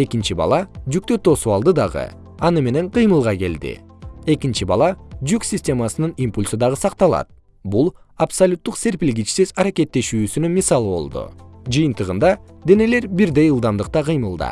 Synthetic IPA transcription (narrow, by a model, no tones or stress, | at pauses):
e̞kint͡ʃibɑ̰lˠɑd͡ʒyk̚t̪øt̪ʰo̞suɑlˠd̪ɯd̪ɑʁɯ̰ | ɑnɯme̞ne̞ɴqʰɨjmɯlˠʁɑke̞̰ld̪ḭe̞kint͡ʃibɑ̰lˠɑd͡ʒyksʲisʲtʲe̞mɑsɯnɯnimpulʲsɯd̪ɑʁɯsɑqt̪ɑlˠɑ̰t̪̚ | bulˠ | apsolʲut̪ːuqsʲe̞ɾpilʲɡʲit͡ʃsizɑɾake̞t̪ːe̞ʃyːsynynmʲisɑlˠɯβo̞̰lˠd̪ṵd͡ʒɨjɨnt̪ɯʁɯnd̪ɑd̪e̞ne̞le̞ɾbiɾd̪e̞jɯlˠd̪ɑmd̪ɯq̚t̪ɑqɯjmɯlˠd̪ɑ̰